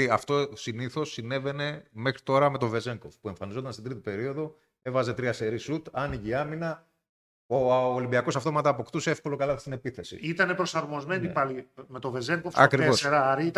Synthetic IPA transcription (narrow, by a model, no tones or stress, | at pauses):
iɐft̪o̞siniθo̞sːine̞ve̞ne̞me̞xɾit̪o̞ɾɐme̞t̪o̞ve̞ze̞ŋkofpue̞ɱfɐnizo̞t̪ɐnst̪ind̪ɾit̪ipe̞ɾio̞ðo̞ | e̞vɐze̞t̪ɾiɐse̞ɾisut̪ɐniʝiɐminɐ | oːlimbiɐko̞sɐft̪o̞mɐt̪ɐːpo̞kt̪useefko̞lo̞kɐlɐt̪i̥sinepiθe̞sḭit̪ɐne̞pɾo̞sɐɾmo̞zme̞nipɐlime̞t̪o̞vezeŋkofɐ̰kɾiveoseɾɐɾiit̪